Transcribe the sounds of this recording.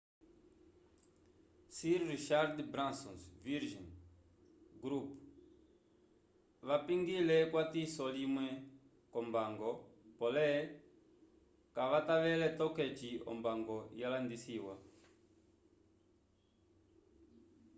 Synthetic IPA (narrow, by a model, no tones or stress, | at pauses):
siɾɾiʃaɾd̪bɾãnsɔ̃nsviɾʒin | ɡɾupu̥ | βapiŋɡilɛkwat̪isɔlimwɛ | kɔmbaŋɡɔpɔlɛ | kaβataβɛlɛt̪ɔkɛt͡ʃiɔ̰mbaŋɡɔjalandisiwa